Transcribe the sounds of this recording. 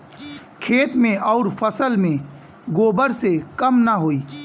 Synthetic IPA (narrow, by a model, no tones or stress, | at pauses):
kʰeːt̪mẽʔɔːɾfʰəsəlmẽ | ɡoːbəɾsekəmnaɦoːiː